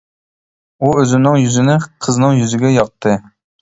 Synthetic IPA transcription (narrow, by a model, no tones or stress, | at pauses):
uøzɪnɨŋjyzɪnɪqʰəznɨŋjyzɪɡʲɛjɑq̚t̪ʰɨ